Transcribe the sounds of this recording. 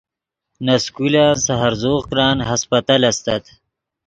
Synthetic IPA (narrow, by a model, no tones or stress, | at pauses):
naskulaːnsaɦaɾzoːɣkɾaːnɦaspat̪alast̪at̪